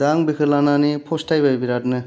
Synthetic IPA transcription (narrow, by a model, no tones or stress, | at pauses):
daŋbikʰɯɾlananipʰɔstʰajbajbiɾat̚nɯ